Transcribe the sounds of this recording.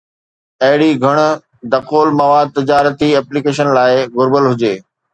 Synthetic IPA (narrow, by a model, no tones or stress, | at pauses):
ɐɦɪɽiɡʱɐɽ̃ | d̪ɐqoːlmɐʋaːd̪̚t̪ɪd͡ʑaːɾət̪iɛːplikeːʃ̬ənlaːɪɣʊɾbəlɦʊd͡ʑeː